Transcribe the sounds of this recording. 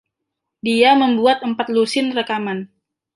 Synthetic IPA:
diaməmbuat̪̚əmpat̪̚lusɪnrəkaman

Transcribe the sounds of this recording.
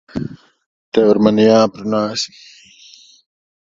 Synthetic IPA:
t̪ewɐɾmɐnijãːpɾunaːsi̥

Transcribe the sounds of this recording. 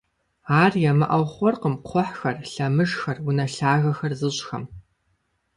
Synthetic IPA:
aːrjɛmɨ̰ʔɐwχʷɔrqəmqʷʰɔħxɐrɬɐmɨʂxɐrwʊnɐɬaːɣɐxɐrzɨɕʼxɐ̰m

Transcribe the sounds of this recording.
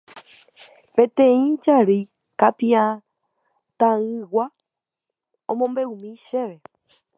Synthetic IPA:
pẽ̞t̪ẽĩd͡ʒaɾi | kapiã | t̪ãɨ̃wa | õmõ̞mbe̞umĩʃeʋe

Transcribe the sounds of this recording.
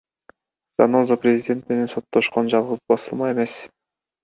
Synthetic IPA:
z̥ɑ̰nozoprʲezʲidʲe̞nt̪me̞ne̞nso̞t̪ːo̞ʃqo̞nd͡ʒɑlˠʁɯzbɑsɯlˠmɑe̞me̞s

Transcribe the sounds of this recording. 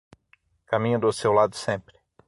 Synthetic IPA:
kamĩɲʊ̃d̪ʊsewlad̪ʊsẽmpɾɪ̥

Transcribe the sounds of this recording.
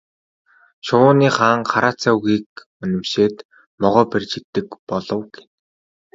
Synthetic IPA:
ʃʊːniːχaːŋχaɾaːt͡saːuɣiːk̚ | ɵnɵ̆mʃeːt̪ | mɔʁɔːperʲt͡ɕɪ̆kt̪ːɘ̆kpɔɮɞ̆wɡe̥n

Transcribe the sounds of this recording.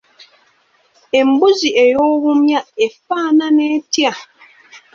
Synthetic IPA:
em̩buziʔejɔwumjaefaːnanetja

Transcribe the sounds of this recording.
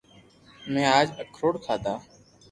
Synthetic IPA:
mɛ̃ːaːd͡ʒəkʰɾoːɽt̪ʰaːt̪aː

